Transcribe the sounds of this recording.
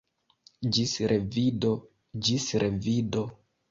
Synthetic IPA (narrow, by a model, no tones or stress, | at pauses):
d͡ʒisɾʔevido | d͡ʒisɾevido